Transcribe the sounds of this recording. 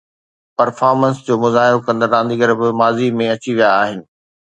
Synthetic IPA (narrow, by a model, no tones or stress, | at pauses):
pɐɾfaːɾmə̃nsd͡ʑoːmʊzaːɦɪɾokɐ̃nd̪əɾãːn̆d̪iɡəɾbɪmaːzimẽɐt͡ɕiʋijaːɦɪnɪ̆